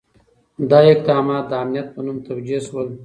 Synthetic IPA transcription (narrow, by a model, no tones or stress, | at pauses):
d̪ɑɪk̚d̪ɑmɑt̪̚d̪əamnijat̪̚pənumt̪awd͡ʒeswəl